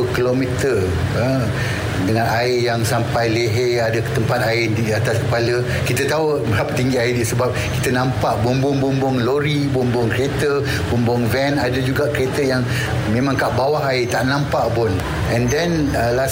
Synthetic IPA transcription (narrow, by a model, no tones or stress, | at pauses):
ukilomit̪ə | ə | dəŋãnaɪjaŋsampajleɦeadəkə̥t̪əmpat̪̚aɪdiat̪askə̥palə | kit̪ət̪au | bəɾapət̪iŋɡiaidisəbap̚ki̥t̪ənãmpaʔbumbʊŋbumbʊŋloɾibumbʊŋkɾet̪ə | b̥umbʊŋvɛnadəd͡ʒuɡaʔkəɾet̪əjaŋ | mẽmãŋkaʔbawaɦaɪt̪aʔnãmpaʔbʊn | ɛ̃ndɛn | əla